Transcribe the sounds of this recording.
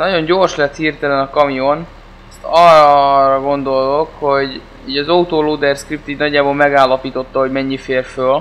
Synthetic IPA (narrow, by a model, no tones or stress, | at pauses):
nɒɟo̞ɲɟo̞rʃlɛt̪hiːrt̪ɛlɛnɒkɒmijo̞n | ɛst̪ɒrrɒɡo̞nd̪o̞lt̪o̞kho̞ɟ | iːɟɒzɒut̪oːloːd̪ɛrskrip̚t̪iːɟnɒɟːaːboːlmɛɡaːlːɒpiːt̪o̞t̪ːɒɦo̞ɟmɛɲːifeːrføl